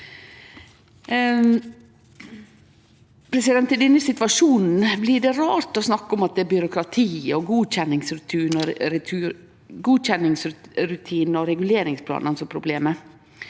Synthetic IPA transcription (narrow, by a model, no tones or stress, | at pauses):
pʰɾɛsɪd̪ɛnt̪ːɪd̪ɛnːəsɪt̪ʋɑʂuːnn̩blɪɖɛɾɑːɾt̪ɔsnɑkːɔmɑt̪̚d̪ɛæbʏɾʊkɾɑt̪ʰiːɔɡuːçɛnːɪŋsɾʉt̪ʰiːnɔɾʰ | ɡuːt͡ʃɛnɪŋsɾʉt̪ʰiːnəɔɾɛɡʉleːɾɪŋspʰlɑ̰ːnɑnsɔpʰɾʊbleːmə